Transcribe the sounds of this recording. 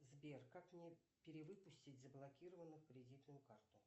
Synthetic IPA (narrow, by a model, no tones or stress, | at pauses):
zbʲerkakmnʲe | pʲɪɾʲɪvɨpʊsʲtʲɪtʲzəblˠɐkʲiɾəvənːɨxkɾʲɪdʲit̪nʊjʊkart̪ʊ